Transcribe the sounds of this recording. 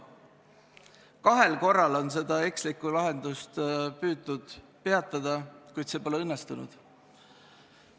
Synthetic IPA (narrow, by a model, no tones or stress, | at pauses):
kɑɦe̞lko̞rːɑlo̞ns̬e̞d̪ɑe̞kslikːˑulɑɦe̞nd̪̥ust̪pyːd̪ud̪̥ | pe̞ɑt̪ˑːɑd̪̥ɑkujd̪̥se̞ːpo̞leɤnːest̪unṵd̪̥